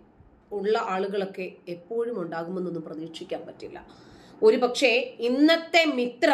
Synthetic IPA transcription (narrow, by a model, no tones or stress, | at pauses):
uɭːɐʔaːɭuɣɐɭo̞kːe̞ːpːo̞ːɻumuɳɖaːɣumenːonːumprɐðiːkʂikʲːaːnpɐtːilːɐ̰o̞ɾupɐkʂe̞inːɐt̪ːe̞mit̪rɐ